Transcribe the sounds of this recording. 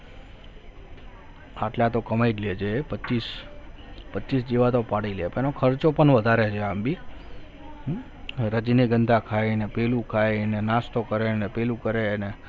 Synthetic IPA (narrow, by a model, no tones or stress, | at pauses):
aʈlat̪okəmaidled͡ʒʰepəis | pət͡ʃisd͡ʒeʋat̪opaɽilepenokʰəɾt͡ʃopəɳʋəd̪ʱaɾet͡ʃʰeambi | ɾəd͡ʒineɡənd̪ʱakʰaenepelũkʰaenenast̪okəɾenepelũkəɾene